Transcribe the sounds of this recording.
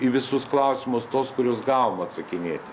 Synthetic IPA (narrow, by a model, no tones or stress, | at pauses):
iʋʲɪsʊsklˠɐʊsʲɪmʊst̪oːskʊɾʲoːsɡɑːʋomɐt̪sɐkʲɪnʲeːt̪ʲɪ